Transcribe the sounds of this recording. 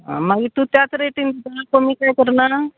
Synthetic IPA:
ɦã̰maɡit̪uːt̪jat͡sɾeʈind̪id̪anakəmiːkajkəɾɳana

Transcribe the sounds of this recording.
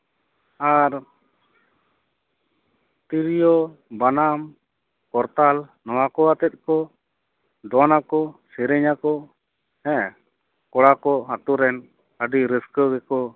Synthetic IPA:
aɾ | t̪iɾijɔbanam | kɔɾt̪alnɔwakɔat̪ɛt̪̚ˀkɔ | d̪ɔnakɔsɛɾɛɲakɔ | hɛ̃ | kɔɽakɔɦat̪uɾɛn | əɖiɾəskəɡɛkɔ

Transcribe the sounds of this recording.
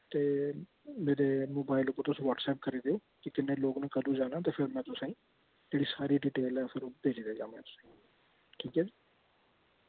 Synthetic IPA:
t̪eː | meːɾeːmoːbaːɪloːkõːt̪ʊsĩːʋaːʈsɛːp̚kəɾiːd̪eoː | kɪkɪneːloːɡnẽːkəd̪ũːd͡ʒaːnãːt̪eːpʰɪɾmɛ̃ːt̪ʊsãĩː | d͡ʒeːɽiːsaːɾiːɖiːʈeːlɛːpʰɪɾoːbeːd͡ʒid̪eːd͡ʒãːmɛ̃ːt̪ʊ̥sã | ʈʰiːkɦɛːd͡ʒiː

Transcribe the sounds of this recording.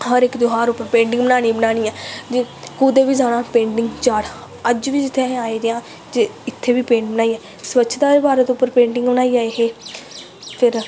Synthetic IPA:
həɾɪkd̪ʊɦaːɾʊpːəɾpẽːɳʈɪ̃ŋɡbənaːɽ̃iːbənaːɽ̃iːɛ̃ːd͡ʒeː | kuːd̪eːʋiːzaːɽ̃ãːpẽːɳʈɪ̃ŋɡt͡ʃaːɽ | əd͡ʒʋiːd͡ʒɪt̪ʰːeaːiːd̪eãː | d͡ʒeːɪt̪ʰːeːʋiːpẽːɳʈbənaːiːɛː | sʋətːʃʰd̪aːɾebaːɾeːt̪oʊpːəɾpẽːɳʈɪ̃ŋɡbənaːiːaːeɦeː | pʰɪɾ

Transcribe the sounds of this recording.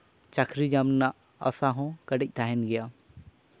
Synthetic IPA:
t͡ʃakʰɾid͡ʒamnaʔ | əsaɦɔ̃kəɖɛc̚t̪ʰaɦɛnɡɛja

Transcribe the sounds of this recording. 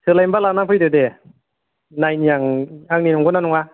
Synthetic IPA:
sʰɯlajmbalanaŋpʰɯjdɯde | najnijaŋaŋ̚ninɔŋɡɯnanɔŋa

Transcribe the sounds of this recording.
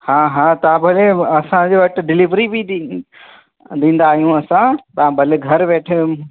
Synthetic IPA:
haːɦaːt̪ɐʋãbʱɐleɐsãd͡ʑeʋɐʈɪ̆ɖɪlɪʋɾibʱi | d̪ĩːn̆d̪aːɦijũɐsãt̪ɐʋ̤ãbʱɐleɡʱɐɾʋeːʈʰ

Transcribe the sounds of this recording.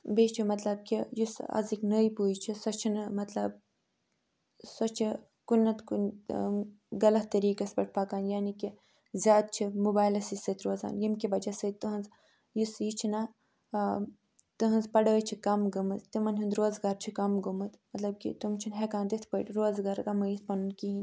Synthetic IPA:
beːt͡ʃʰimɐt̪lɐb̚kijisɐ̰ziknəjpuːjt͡ʃʰisɐt͡ʃʰinmɐt̪lɐb̚ | sɐt͡ʃʰi | kunːɐt̪kun | ɡɐlɐht̪ɐɾiːkɐsʲbɐʈ̚ʰpaːkaːnjaːniki | zʲjaːd̪̚t͡ʃʰimubaːjlɐsisət̪ʰɾoːza̰ːnjimkibɐd͡ʒɐsət̪t̪uɦɐnz | jisit͡ʃʰina | t̪ɨɦɐnzpɐɽəːjt͡ʃʰikɐmɡɐmɨt̪t̪imɐnʲɦund̪ɾoːzɡaːɾt͡ʃʰikɐmɡumɨt̪mɐt̪lɐb̚kḭt̪umt͡ʃʰunɦekaːnd̪it̪ʰpəːʈɾoːzɡaːɾɡɐmɐjit̪̚ʰpɐnunkiɦin

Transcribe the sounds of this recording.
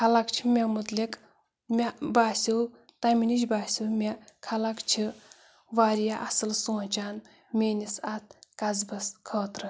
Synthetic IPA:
kʰalakt͡ʃʰi̥mʲemɨt̪lik | mʲabaːsʲiw | t̪amʲiniʃbaːsʲiwmʲekʰalakt͡ʃʰi | ʋaːɾjaʔasɨlsoːt͡ʃaːn | mʲeːnʲisat̪̚ʰkazbɐskʰəːt̪ɾɨ

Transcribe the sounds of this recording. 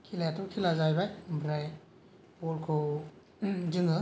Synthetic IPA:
kʰilajatɔkʰilazajbajbʱɾaj | pɔlkʰo | zɯŋɯ

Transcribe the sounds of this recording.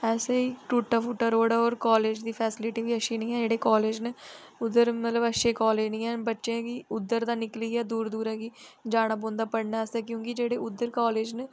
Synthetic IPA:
ɛːseːiːʈuːʈːaːpʊʈːaːɾoːɽaːoːɾkaːleːd͡ʒd̪iːpʰɛːsɪlɪʈiːʋiːəʃiːnĩːɛːd͡ʒeːɽeːkaːleːd͡ʒneʊd̪əɾmət̪ləbəʃeːkaːleːd͡ʒnĩːɛ̃ːbətːʃẽːkiːʊd̪ːəɾd̪ãːnɪkliːɛːd̪uːɾd̪uːɾãːkiːd͡ʒaːɽ̃aːbõːnd̪aːpəɽnaɛːsɛːkjõːkɪd͡ʒeːɽeːʊd̪ːəɾkaːleːd͡ʒne

